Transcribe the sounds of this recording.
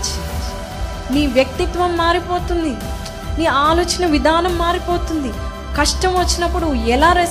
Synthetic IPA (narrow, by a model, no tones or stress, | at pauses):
niːʋjɐk̚t̪it̪ʋɐmːaːɾipoːt̪und̪i | niːaːloːt͡ʃinɐʋid̪ʱaːnɐmːaːɾipoːt̪und̪i | kɐʂʈɐmʋɐt͡ʃːinɐpːuɽuɛlaːɾeː